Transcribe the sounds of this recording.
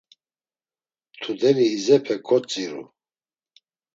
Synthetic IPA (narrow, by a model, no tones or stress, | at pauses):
t̪ʰud̪ɛniːzɛpʰɛkʰʼɔt͡sʼiɾṵ